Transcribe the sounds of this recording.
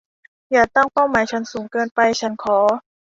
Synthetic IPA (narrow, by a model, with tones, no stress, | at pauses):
jaː˨˩t̪a˥˩ŋpa˥˩wmaː˩˦jt͡ɕʰa˦˥nsuː˩˦ŋkɤː˧npa˧jt͡ɕʰa˦˥nkʰɔː˩˦